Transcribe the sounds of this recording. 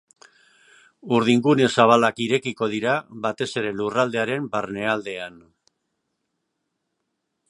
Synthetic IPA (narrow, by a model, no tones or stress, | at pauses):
uɾð̞iŋɡune̞saβ̞alakiɾe̞kiko̞ðiɾaβat̪e̞se̞ɾe̞lurald̪e̞aɾe̞mbarne̞ald̪e̞an